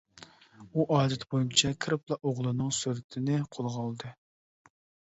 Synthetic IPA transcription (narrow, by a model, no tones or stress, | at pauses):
uʔɑːd̪ɛt̪bojynt͡ʃʰɛkʲʰɾɨplˠɑʔoʁlˠɨnɨŋsyɾt̪ʰɪnɪqʰolˠʁɑlˠd̪ɨ